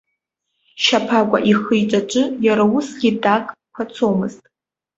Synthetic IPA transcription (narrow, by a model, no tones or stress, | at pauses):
ʃapʰakʷʼa̰ʔiχɨjʈ͡ʂʼaʈ͡ʂʷʼɨjaɾawʊsɡʲidʼakʼ | pʰat͡sʰomɨztʼ